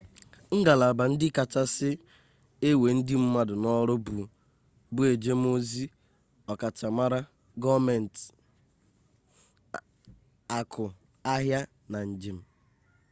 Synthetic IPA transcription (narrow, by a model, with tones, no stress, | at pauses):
ŋ̩˦ɡa˨la˨ba˨n̩˦dɪ˦ka˨ta˦sɪ˦ | e˦we˨n̩˦dɪ˦m̩˦ma˦dʊ˨nɔ˦ɾʊ˦bu˨ | bʊ˦e˨d͡ʒe˦m˦o˦zi˦ | ɔ˨ka˨t͡ʃa˨ma˦ɾa˦ | ɡɔ˦me˨n˨t | a˨kʰʊ˨ | a˦ɦja˦ | na˨n̩˨d͡ʒi˨m̩˨